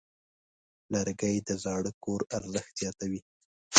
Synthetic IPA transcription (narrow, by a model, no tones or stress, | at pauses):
laɾɡəjd̪əzɑɽəkoɾaɾzəxt̪z̥jɑt̪awi